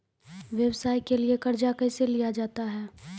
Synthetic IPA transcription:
ʋjɛwsaːikeliekɐɾd͡ʒakɛːselijad͡ʒaːt̪aɦɛː

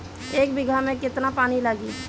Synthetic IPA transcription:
eːk̚bɪɡʱamẽkɪt̪napaːnilaɡiː

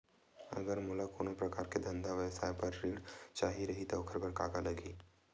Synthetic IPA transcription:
ɐ̰ɡəɾmʊlakoːnõpɾɐkaːɾked̪ɐ̃nd̪ʱaʋjəʋsaːjepɐɾːiːɽt͡ʃaːɦiɾɐɦit̪oʊkʰəɾbɐɾkaːɡalɐɡiː

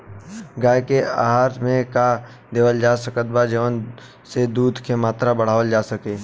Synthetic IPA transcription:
ɡaːjkea̰ːɦaːɾmẽka | d̪eːʋəld͡ʒaːsəkət̪̚bad͡ʒəʋən | sed̪uːd̪ʱkʰemaːt̪ɾabɐɽ̤aːʋəld͡ʒaːsəkeː

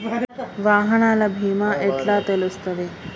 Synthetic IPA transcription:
ʋaːɦəɳalabʱiːmaʔeʈlat̪elust̪əʋe

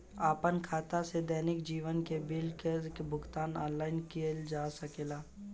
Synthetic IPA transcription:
aːpənkʰaːt̪ased̪ɛːnɪkd͡ʒiːʋənkebɪlkezkebʱʊɡt̪aːnaːnlaːɪnkield͡ʒaːsəkeːlaː

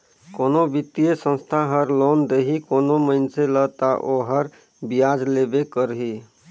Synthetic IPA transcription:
koːnobit̪ːiesə̃nst̪ʰaɦəɾlond̪eɦikonoməɪnselət̪aʔoɦəɾ | bijad͡ʒlebekəɾɦi

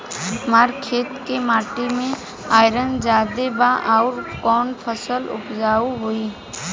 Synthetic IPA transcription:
maːɾkʰeːt̪kemaːʈimẽ | aːɪɾənd͡ʒaːd̪ebaʔɔʊɾkɔːnpʰəsəlʊ̰pd͡ʒaːuɦoi

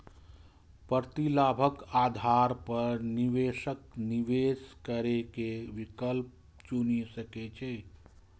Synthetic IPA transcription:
pəɾt̪ilaːbʱəkaːd̪ʱaɾpəɾniʋeːʃək̚niʋeːskəɾekeʋikəlp̚ | t͡ʃunisəket͡ʃeː

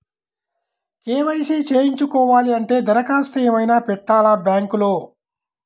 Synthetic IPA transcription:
keːʋɐjseːt͡ʃe̞ːjiɲt͡ʃukɔːʋaːliɐɳʈe̞ːd̪ɐɾɐkaːst̪ueːmɐjnaːpɛʈːaːlɐbjaːŋkuloː

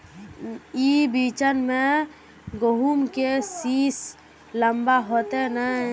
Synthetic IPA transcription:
ibiːt͡ʃənmẽ | ɡoɦumkesiːs | ləmbaɦoːt̪enə

